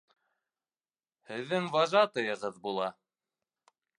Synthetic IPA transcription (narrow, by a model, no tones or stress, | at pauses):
hɘ̆ðːɘŋvɑʒɑt̪ɤ̆jɤ̆ʁɤðbulˠɑ